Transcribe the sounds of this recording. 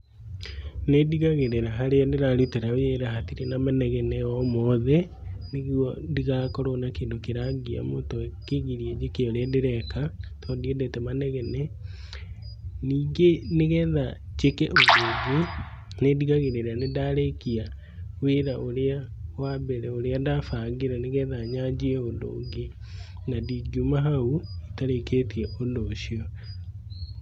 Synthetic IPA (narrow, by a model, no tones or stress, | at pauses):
nediɣaɣeɾeɾaɦaɾeandeɾaɾuteɾaweɾaɦatiɾenamanɛɣɛnɛɔmɔðɛ | neɣwɔndiɣakɔɾonakeːndokeɾaɡia̰moːntɔkeɣiɾiɛd͡ʒekeoɾeandeɾɛkatʰɔdiɛdɛtɛmanɛɣɛnɛ | niːŋɡeneɣɛːðad͡ʒekɛʔoðoːɡe | nediɣaɣeɾeɾanedaɾekia | weɾaʔoɾeawabɛɾɛoɾeandafaɡeɾɛneɣɛðaɲad͡ʑiɛodo̰ːŋɡe | nadiɡumaɦauitaɾeketiɛʔondoːɕiɔ